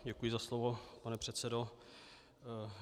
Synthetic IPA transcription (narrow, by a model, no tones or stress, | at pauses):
ɟɛkujɪzaslovopanɛpr̥ɛt̪sɛdo